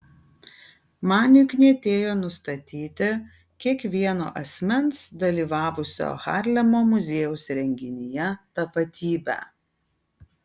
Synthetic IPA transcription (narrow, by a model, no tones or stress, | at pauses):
mɑːnʲɪknʲiɛt̪ʲeːjoːnʊst̪ɐt̪ʲiːt̪ʲɪ | kʲiɛkʋʲiɛno̰ːʔɐsʲmʲɛnsd̪ɐlʲiːʋɑːʋʊsʲo̰ːxɑ̰ːˑɾʲlʲɛmoːmʊzʲeːjuʊsɾʲɛŋʲɡʲɪnʲɪjɛt̪ɐpɐt̪ʲiːbʲæ̰ː